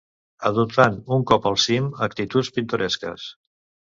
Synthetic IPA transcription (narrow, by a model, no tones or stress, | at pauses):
əðut̪anuŋkɔpəlˠsiməkt̪it̪ut͡spint̪uɾɛskə̰s